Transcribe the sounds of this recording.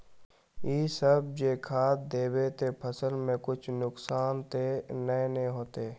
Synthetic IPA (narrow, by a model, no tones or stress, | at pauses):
iːsəb̚d͡ʒeːkʰaːt̪̚d̪eːbet̪epʰəsəlmẽkʊt͡ʃʰnʊksaːnt̪enəeñɦoːt̪eː